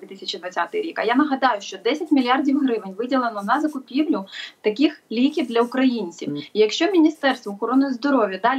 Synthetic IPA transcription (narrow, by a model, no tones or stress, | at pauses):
ʋʲit̪ɪsʲɐt͡ʃid̪ʋɐt͡sʲat̪ɪɾʲikɐjanɐɦɐd̪ɑjʊʃt͡ʃɔd̪ɛsʲɐtʲmʲilʲiɑrdʲiwɦɾɪʋɪnʲʋɪdʲilˠenɔnɐzɐkʊpʲiwlʲʊt̪ɐkʲixlʲikʲiwd̪lʲɐʊkɾɐjinʲt͡sʲiwijɐkʃt͡ʃɔmʲinʲist̪ɛrst̪ʋɔːxɔɾɔnʊjzd̪ɔɾɔʋʲjɐd̪ɑlʲ